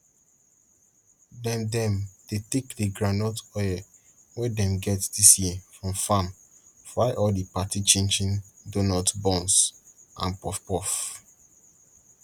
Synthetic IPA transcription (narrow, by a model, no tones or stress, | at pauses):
dɛ̃mdɛ̃md̥etekdəɡɹanɔtɔjə | wɛdɛ̃mɡɛtd̥isjiəfɹɔ̃mfãm | faɪʔɔdipatit͡ʃẽnd͡ʒĩndonatbɔ̃nsʔã̰npɔfpɔf